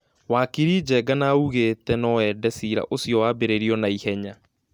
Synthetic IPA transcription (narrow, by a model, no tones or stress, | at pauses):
waːkiɾid͡ʑɛɡanaːuɣeːtɛnɔɛdɛsiɾa̰ʔosjɔwaːbeɾeɾiɔnaihɛɲa